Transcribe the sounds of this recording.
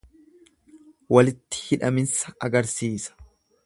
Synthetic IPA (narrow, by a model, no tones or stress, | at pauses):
wɐlɪt̪ːɪ̥hɪᶑɐmɪnsɐɐɡɐɾsiːsɐ̥